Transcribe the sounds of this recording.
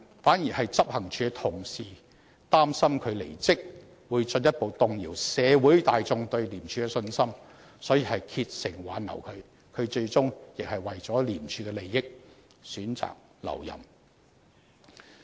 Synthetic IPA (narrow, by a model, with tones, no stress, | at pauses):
faː˨˥nji˨˩hɐ˨jt͡sɐ˥p̚hɐ˨˩ŋt͡ʃʰyː˧kɛ˧t̪ʰʊ˨˩ŋsiː˨˩ | t̪aː˥msɐ˥mkʰɵ˨˧ɥlḛ˨˩jt͡sɪ˥k̚ | wuː˨˧jt͡ʃɵ˧njɐ˥t̚po˨wt̪ʊ˨ŋjiː˨˩wsɛː˨˧wuː˨˥jt̪aː˨jt͡sʊ˧ŋt̪ɵ˧ɥliː˨˩mt͡ʃʰyː˧kɛ˧sɵ˧nsɐ˥m | sɔː˨˥jiː˨hɐ˨jkʰiː˧t̚sɪ˨˩ŋwaː˨˥nːɐ˨˩wkʰɵ˨˧ɥ | kʰɵ˨˧ɥt͡ʃɵ˧ɥt͡sʊ˥ŋjɪ˨k̚hɐ˨jwɐ˨jt͡sɔː˨˥liː˨˩mt͡ʃʰyː˨˧kɛ˧le˨jːɪ˥k̚ | syː˨˥nt͡sa̰ː˨k̚ | lɐ̰˨˩wjɐ̰˨˩m